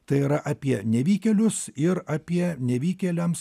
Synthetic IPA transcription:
t̪ɐɪiːɾɐʔɐpʲiɛnʲɛʋʲiːkʲɛlʲʊsɪɾɐːpʲiɛnʲɛʋʲiːkʲɛlʲɛms

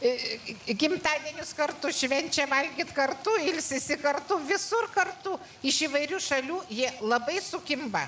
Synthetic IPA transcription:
ɡʲɪmt̪ɑːd̪ʲiɛnʲʊskɐrt̪ʊʃʲʋʲɛnʲt͡ʃʲɛʋɐlʲɡʲiːt̪kɐrt̪ʊɪlʲsʲɪsʲɪkɐrt̪ʊʋʲɪsʊrkɐrt̪ʊ | ɪʃiʋɐɪɾʲuːʃɐlʲuːjiɛlˠɐbɐɪsʊkʲɪmbɐ

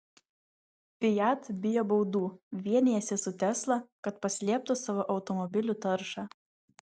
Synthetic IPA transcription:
pʲɪjæt̪bʲɪjoːbɒʊd̪uːʋʲiɛnʲɪjɛsʲɪsʊt̪ʲɛslˠɑˑkɐt̪pɐsʲlʲiɛp̚t̪ʊsɑʋoːʔɒʊt̪ɔmɔbʲɪlʲʊt̪ɐɾʃɑː

